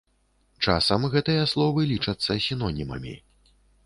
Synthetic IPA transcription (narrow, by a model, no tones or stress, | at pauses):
t͡ʂasɐmɣɛt̪ɨjɐslˠɔvɨlʲit͡ʂɐt̪sːɐsʲinɔnʲimɐ̰mʲḭ